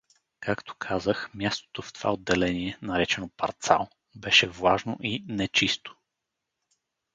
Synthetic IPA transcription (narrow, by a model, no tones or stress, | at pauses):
kʰakt̪o̥kʰazəxmʲjast̪o̥t̪oft̪ova̰od̪ːɛlɛniɛnɐɾɛt͡ʃɛnopɐɾt̪sa̰lˠ | bɛʃɛvlˠaʒno̰ʔinɛt͡ʃist̪o̥